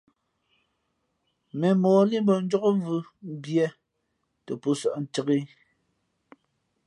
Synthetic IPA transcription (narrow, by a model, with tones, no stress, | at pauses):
mɛ˨mɔː˨˦li˦mbɔ˨n̩˦d͡ʒɔ˦ko˦vɯ˦m˦bjɛ˦ | tɛ˨pu˦sɔ˦˨ʔn̩˨tə˦ɣi˦